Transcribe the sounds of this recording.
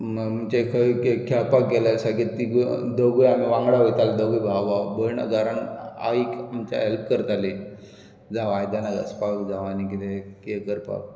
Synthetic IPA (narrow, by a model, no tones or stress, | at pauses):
mət͡ɕakʰəkekʰapak̚ɡɛlalsaɡit̪iɡd̪əɡujamiʋãŋɡɽaɦojt̪alad̪əɡujbʱaabəɾɳa̰ɡaɾana̰ikamt͡ɕa̰ɦelpkəɾt̪ale | d͡zaʋajd̪anaɡə̰spakd͡zaʋanikit̪ʰekikəɾpa̰k̚